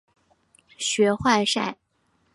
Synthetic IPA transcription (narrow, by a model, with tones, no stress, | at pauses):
ɕɥɛ˧˥xwa˥˧ɪʂa̰˥˩ɪ